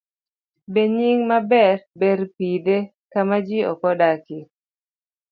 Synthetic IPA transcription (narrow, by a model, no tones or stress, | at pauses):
beɲiŋmabɛrbeɾpide | kamad͡ʒiɔ̰kɔdakɪ